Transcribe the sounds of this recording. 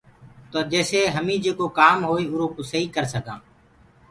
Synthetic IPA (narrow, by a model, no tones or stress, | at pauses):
t̪oːd͡ʒeːseːɦəmĩːd͡ʒeːkoːkaːmɦoːiːʊɾoːkoːsəɦiːkəɾsəɠãː